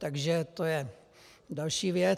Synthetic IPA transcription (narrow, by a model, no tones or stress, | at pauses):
t̪aɡʒɛt̪ojɛ | dalʃiːvjɛ